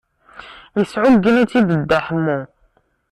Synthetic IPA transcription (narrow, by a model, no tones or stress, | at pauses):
jəsʕʊɡːənæt͡sːid̪əd̪ːaħəmːu